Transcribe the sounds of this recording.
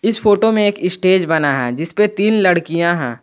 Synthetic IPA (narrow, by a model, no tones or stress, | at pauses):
ɪsfoːʈomẽeːkɪsʈeːd͡ʒbɐnaɦɛ̰d͡ʒɪspet̪iːnlɐɽkijãɦɛ̰̃ː